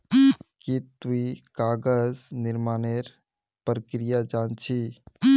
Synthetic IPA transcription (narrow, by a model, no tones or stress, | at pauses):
kit̪uikaːɡəznɪɾmaːneɾ | pɾəkɾijad͡ʒaːnt͡ʃʰi